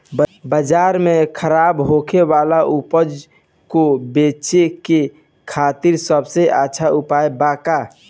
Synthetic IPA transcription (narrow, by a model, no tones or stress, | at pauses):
bəd͡ʒaɾmekʰəɾaːbɦokʰeʋalaʔupəd͡ʒ | kobet͡ʃeke | kʰat̪iɾsəbseʔaːʃʰaupaːjbaːka